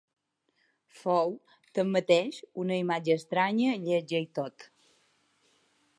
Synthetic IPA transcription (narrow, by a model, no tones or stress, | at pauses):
fow | t̪əmːət̪eʃunəimad͡ʒəːst̪ɾaɲəʎəʒəjt̪ot̪